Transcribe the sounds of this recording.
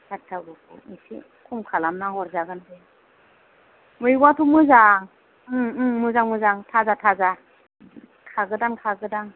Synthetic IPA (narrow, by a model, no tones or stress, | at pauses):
tʰatʰːaɡukʰṵnisḭ | kʰumkʰalamnaɡɔɾzaɡɯndɯ | mɯjɡwatʰumɯzaŋ | ɯmɯzaŋmɯzaŋtʰazatʰaza | kʰaɡɯdaŋkʰaɡɯdaŋ